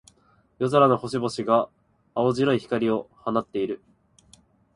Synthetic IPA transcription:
jo̞zoɾano̞ho̞ɕibo̞ɕiɡaː | oʑiɾo̞içi̥kaɾʲio̞hanat̪ːe̞iɾɯ̟

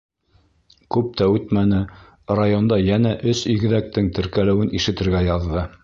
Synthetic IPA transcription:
kʉp̚t̪æʉt̪mænɘ | rajond̪ɑjænæʔɵsiɡɘ̆ðæk̚t̪ɘŋt̪ɘ̆ɾkælɘ̆wɘnʔiʃɘ̆t̪ɘ̆ɾɡæjɑðːɤ

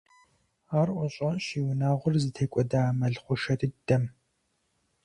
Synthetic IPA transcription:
aːrʔʷɔɕʼɐɕiːwnaːʁʷʊrzɨtʰeːkʷʼɔdaːmɐɮχʷʊʃɐtɨd̥ɐm

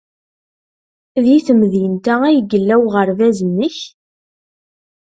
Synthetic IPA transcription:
ðjiθəmðjənt̪ææjɡəlːæwʁəɾvæzənːəç

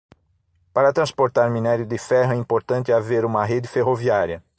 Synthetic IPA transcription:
paɾɐt̪ɾɐ̃spoɾt̪aɾminɛɾjʊd̪ɪfɛɦɐɛĩpoɾt̪ɐ̃nt̪ɪaveɾũmɐɦed̪ɪfeɦoviaɾjɐ

